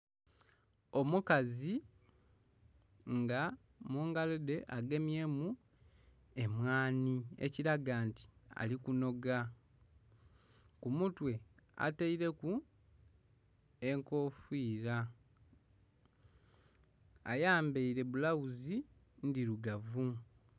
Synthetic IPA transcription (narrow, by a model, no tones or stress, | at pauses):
o̞mukazi | ŋɡa | muːŋɡalede̞ʔaɡe̞mje̞mu | e̞mwaːnie̞̰ciɾaɡaːnti̥a̰likuno̞ɡa | kumutwe̞a̰teiɾe̞ku | e̞ŋko̞fiːɾa | a̰jaːmbeiɾe̞βulawuzi | ndiɾuɡavu